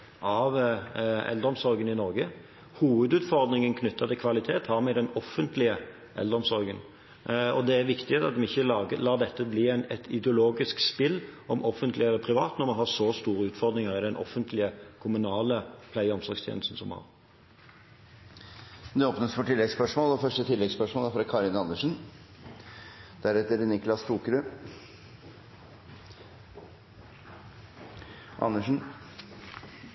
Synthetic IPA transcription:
ɑʋ | ɛ̰ld̪əɾɔmsɔɾɡənɪnɔʁɡə | huːʋəd̪ʉːt̪fɔʁd̪nɪŋənkʰnʏt̪ʰːɑt̪ʰɪlkʰʋɑlɪt̪ʰeːt̪hɑɾmɛd̪ɛnɔfːənt̪lɪə | ʔɛ̰ld̪əɾɔmsɔɾɡən | ɔd̪ɛæɾʋɪkt̪ɪt̪ɑt̪̚d̪ɛmɪçːəəlɑːd̪ɛt̪ːəbliːæɪnɛt̪ɪd̪ɛʊloːɡɪskspɪlːɔmʔɔfənt̪lɪɛlːəpʰɾɪʋɑːt̪nɔɾmɑnɦhɑʁsɔst̪uːɾəʉːt̪fɔɾd̪ɾɪŋəʁɪd̪ɛnʔɔ̰fənt̪lɪəkʰʊmʉnɑːləpʰlæɪɔmsɔɾɡst̪ʰjḛn̩st̪n̩sɔmhɑ̰ːʁ | d̪ɛɔːpnəsfɔʈɪlːɛɡspœʂmoːlɔfœʂʈət̪ʰɪlːɛɡspœʂmoːlæɾfɾɑkʰɑːɾɪnɑnːəʂn̩ | d̪̥æɾɛt̪əɾnɪklɑst̪ʰuːkɾʉ | ʔɑ̰nːəʂn̩

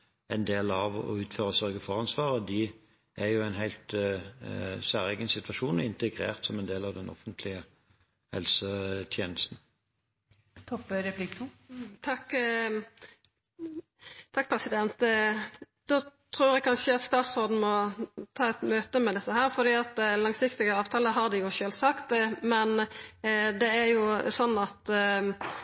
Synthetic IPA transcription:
æɪnd̪eːlɑʋɔ̰ʉːt̪føːʁəsœɾɡəfɔʁɑnsʋɑːʁəd̪ɪ | ʔæjʊæɪnɦæɪlt̪ | sæːʁɛɡənsɪt̪ʋɑʃuːnəɪnt̪əɡʁḛːʁt̪sɔmɛnd̪eːlɑʋd̪ɛnʔɔ̰fənt̪ʰlɪə | hɛ̰lsət̪ʰjeːnəst̪n̩ | t̪ʰɔpːɾɛplɪk̪ut̪ʰɑkː | t̪ʰɑk̚ːpʰʁɛsɪd̪ɛnt̪ | d̪oːt̪ʰʁuːɾɛkʰɑnʃəɑt̪st̪ɑːt̪soːd̪n̩mɔt̪ʰɑːɛt̪møːt̪əmɛd̪ɛt̪ːəhæːʁfɔʁd̪iːɑt̪̚d̪ɛlɑŋsɪkt̪ɪɡəɑːʋt̪ʰɑːləɦɑʁd̪ɪjʊʃøːlsɑkt̪mɛn | d̪ɛæjʊsɔnːɑt̪

